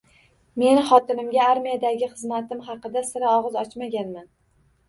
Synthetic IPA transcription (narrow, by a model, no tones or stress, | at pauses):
me̞nχɒt̪ɪnɪmɡʲaaɾmijad̪aɡʲɪχɨzmat̪ɪmχɑqɨd̪asɪɾaɒʁɨzɒt͡ʃmaɡʲanman